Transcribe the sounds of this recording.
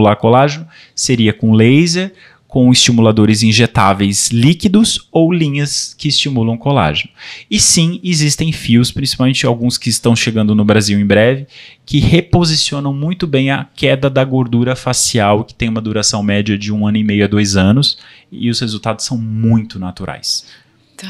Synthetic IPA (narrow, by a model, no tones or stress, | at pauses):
ulakolaʒenʊ | seɾiɐkõlejzeɾ | kõw̃ɪst͡ʃimulad̪oɾɪzĩʒet̪avejslikid̪ʊzowlĩɲɐskɪːst͡ʃimulɐ̃w̃kola̰ʒenʊɪsĩɪzist̪ẽj̃fiwspɾĩsipawmẽt͡ʃɪawɡũskɪːst̪ɐ̃w̃ʃeɡɐ̃nd̪ʊnʊbɾaziwẽj̃bɾɛvɪkʰɪhepozisiõnɐ̃w̃mũj̃t̪ʊbẽj̃ɐkɛd̪ɐd̪ɐɡoɾd̪uɾɐfasiawkɪ̥t̪ẽj̃ũmɐd̪uɾasɐ̃w̃mɛd͡ʒɐd͡ʒɪũɐ̃nʊimejʊɐd̪ojzɐ̃nʊsɪ̰ʊshezuwt̪ad̪ʊsːɐ̃w̃mũj̃t̪ʊnat̪uɾʔa̰js